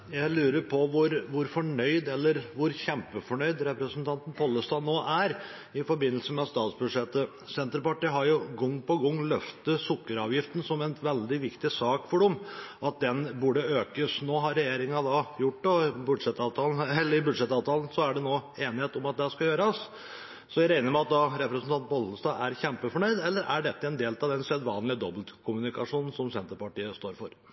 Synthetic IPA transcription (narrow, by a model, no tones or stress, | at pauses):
jæɪlʉːɾəɾpʰɔʋʊɾʋʊɾfɔɳœʏd̪ɛlːəɾʋʊɾçɛmpəfɔɳœʏd̪ɾɛpɾəsənt̪ʰɑnt̪n̩pʰɔlːəst̪ɑːnoːʔæɾ | ɪfɔɾbɪnːəlsəmɛst̪ɑːt̪sbʉd̪ʂɛt̪ːə | sɛnt̪ɾəpɑʈiːɦɑɾjʊɡɔŋːpɔɡɔŋːlœft̪əsʊkːəɾɑːʋjɪft̪n̩sɔmɛnʋɛld̪ɪʋɪkt̪ɪsɑːkfɔɖɔmɑt̪̚d̪ɛnbʉɖəøːkəsnoːɦɑɾːɛjeːɾɪŋɑd̪ɑjʊʈːɖ̪ɔbʉd̪ʂɛt̪ɑːʋt̪ʰɑːln̩ɛlːəɾɪbʉd̪ʂɛt̪ɑːʋt̪ʰɑːln̩sɔæɖɛnoːeːnɪheːt̪ɔmɑt̪̚d̪ɛæskɑjøːɾɑs | sɔjæɪɾæɪnəɾmɛɑt̪̚d̪ɑɾɛpɾəsn̩t̪ɑnt̪̚bɔld̪n̩st̪d̪ɑːæɾçɛmpəfɔɳœʏd̪ɛlːəɾʔæ̰ɖɛt̪ːəɛnd̪eːlt̪ɑʋd̪ɛnsɛd̪ʋɑːnlɪəd̪ɔblt̪kʰʊmʉnɪkɑʂuːnn̩sɔmsɛnt̪əɾpɑʈiːəst̪oːɾfɔɾ